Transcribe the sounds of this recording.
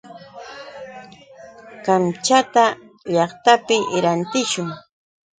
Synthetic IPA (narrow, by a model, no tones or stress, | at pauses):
kamt͡ʃat̪a | ʎɑχt̪apɪʔɾant̪ɪʃʊŋ